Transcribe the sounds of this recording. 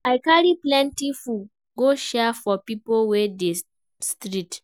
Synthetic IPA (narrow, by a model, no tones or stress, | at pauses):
aɪkaɹiplɛ̃ntifu | ɡoʃɛfɔpipowɛde | stɹit